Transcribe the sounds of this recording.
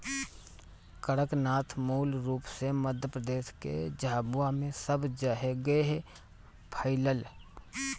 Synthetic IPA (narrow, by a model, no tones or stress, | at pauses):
kəɽəknaːt̪ʰmuːlɾuːpseməd̪ʱjəpɾəd̪eːʃkḛd͡ʒaːbuamẽsəbd͡ʒaɦeɡəeɦ | pʰəɪləl